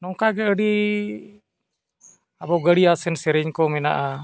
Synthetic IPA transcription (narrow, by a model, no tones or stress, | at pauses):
nɔŋkaɡɛəɽi | abaɡəɽiasɛnsɛɾɛɲkɔmɛna̰ʔa